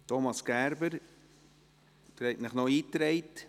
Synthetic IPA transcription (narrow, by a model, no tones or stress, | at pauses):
tʰɔmɑsɡ̥æɾbəɾ | t̪ɾɛɪtnɪχnɔiːt̪ɾɛɪt